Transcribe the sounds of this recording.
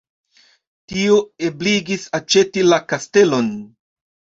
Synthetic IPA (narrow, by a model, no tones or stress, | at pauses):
tioebliɡisat͡ʃe̞tilakaste̞lo̞n